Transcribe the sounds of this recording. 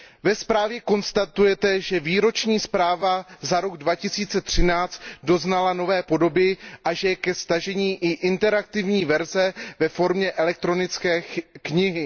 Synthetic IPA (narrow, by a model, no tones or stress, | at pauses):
vɛspɾaːvjɛko̞nst̪at̪ujɛt̪ɛʒɛviːɾo̞t͡ʃɲiːspɾaːvazaɾo̞ɡdvacɪsiːt͡sɛt̪r̝̥ɪnaːt͡st̪do̞znalano̞vɛːpo̞do̞bɪʔaʒɛkɛst̪aʒɛɲiːʔɪʔɪnt̪ɛɾak̚t̪ɪvɲiːvɛɾzɛvɛfo̞ɾmɲɛʔɛlɛk̚t̪ɾo̞nɪt͡skɛːkɲɪɦɪ